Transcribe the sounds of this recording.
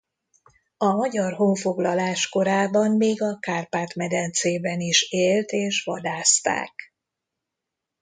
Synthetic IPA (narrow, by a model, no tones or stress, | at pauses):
ɒmɒɟɒrɦoɱfo̞ɡlɒlaːʃko̞ɾaːbɒmːeːɡɒkaːrpaːt̪mɛd̪ɛnt̪seːbɛniʃeːlt̪eːʃʋɒd̪aːst̪a̰ːk